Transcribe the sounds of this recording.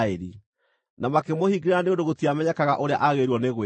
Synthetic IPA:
eɾi | namakemohiɡeɾeɾaneondoɣotiamɛɲɛkaɣa̰ʔoɾea̰ʔaɣeɾuɔneɣwe

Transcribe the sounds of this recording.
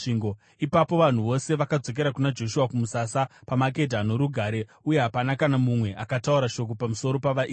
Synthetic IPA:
iːŋɡo | ipapo̞ʋan̤uʋo̞se̞ʋakad͡zo̞k̬e̞ɾakunad͡ʒo̞ʃuwakumusasapamak̬e̞dʱano̞ɾuɡʱaːɾe̞ | uje̞ɦapanakanamumwe̞ʔakatauɾaʃo̞k̬o̞pamuso̞ɾo̞paʋai

